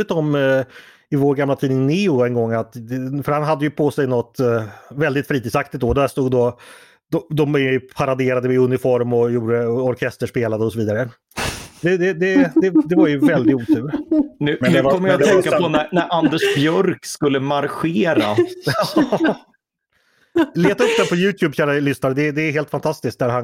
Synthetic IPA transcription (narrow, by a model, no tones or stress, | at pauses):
ət̪ɔm | ɪvoːɾɡamlat̪ʰiːnɪŋnɪʊɛnɡɔŋːat̪d̪ɛfœɾhanɦad̪ːəjɵpʰɔsɛjnɔt̪ːvɛld̪ɪt̪fɾiːt̪iːd̪sakt̪ɪt̪̚d̪oːd̪æst̪uːɡd̪o | d̪ɔd̪ɔmɛjpʰaɾad̪eːɾad̪əɪɵnɪfɔɾmɔjuːɖəɔɾkʰɛst̪əʂpeːlad̪əɔsɔviːd̪aɾə | d̪ɛd̪ɛd̪ɛd̪ɛd̪ɛvaɾjɵvɛld̪ɪɡ̪uːt̪ʰʉ̟ːɾnʉ̟nʉkʰɔmːəjat̪ʰːɛŋkːapɔnæɾnæɾʔand̪ɛʂbjœɾkskɵlːəmaɾɧeːɾa̰ɑ | leːt̪aɵp̚ːd̪ɛnpʰɔjʉ̟ːt̪ʰjʉːbɕæːɾalʏsnaɾəd̪ɛd̪ɛːɦeːlt̪fant̪ʰast̪ɪsk̚t̪̚d̪æɾhan